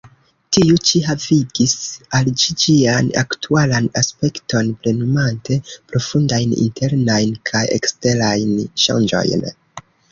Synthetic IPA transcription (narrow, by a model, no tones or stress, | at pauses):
tiut͡ʃiɦaviɡisald͡ʒid͡ʒiana̰ktʰualanaspe̞kto̞nple̞numante̞pɾo̞fundajnḭnte̞ɾnajnkʰajḛkste̞ɾajnʃa̰nd͡ʒo̞̰jn